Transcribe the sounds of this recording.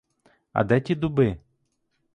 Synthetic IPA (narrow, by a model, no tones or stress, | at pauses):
ɐ̰d̪ɛtʲid̪ʊbɪ